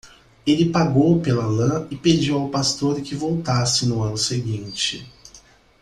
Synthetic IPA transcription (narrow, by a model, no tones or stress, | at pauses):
elɪpaɡowpelɐlɐ̃ɪped͡ʒiwawpast̪oɾkɪvowt̪asɪnʊɐ̃nʊseɡĩnt͡ʃɪ̰